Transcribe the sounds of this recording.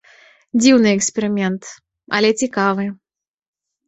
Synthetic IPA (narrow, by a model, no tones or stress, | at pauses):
d͡zʲiwnɨɛksʲpʲɛɾɨmʲɛnt̪ | ɐ̰lʲɛt͡sʲikavɨ